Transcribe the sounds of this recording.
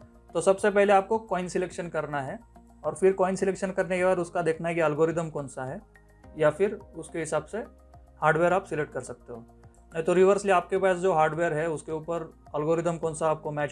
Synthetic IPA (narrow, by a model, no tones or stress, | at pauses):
t̪osɐbsep̬ɛɦleaːp̚kokɔːɪnsɪleːkʃənkɐɾnaɦɛ | ɔːɾfɪɾkɔːɪnsɪleːkʃənkɐɾnekebaːd̪ʊskad̪eːkʰnaɦɛkiɐlɡoːɾɪd̪əmkɔːnsaɦɛː | jafɪɾʊskeɦɪsaːbse | haːɾɖʋeːəɾaːpsɪlek̚ʈ̚kɐɾsɐk̚t̪eɦoː | mɛt̪oɾiʋəɾsliaːp̚kepaːsd͡ʒoːɦaːɾɖʋeːəɾɦɛʊskeuːpəɾɐlɡoːɾɪd̪əmkɔ̃ːnsaːp̚komɛːt͡ʃ